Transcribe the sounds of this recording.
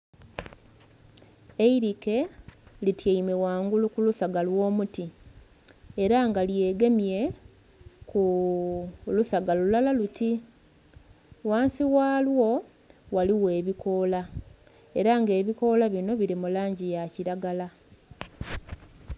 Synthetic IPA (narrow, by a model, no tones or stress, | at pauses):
eiɾike̞litjeime̞waːŋɡulukulusaɡalwo̞ːmuti | eɾaŋɡalje̞ːɡe̞mje̞ | ku | lusaɡalulalaluti | waːnsiwaːlwo̞ | waliwe̞ːβiko̞ːla | e̞ɾaŋɡe̞ːβiko̞laβino̞βiɾimulaːɲɟijaciɾaɡala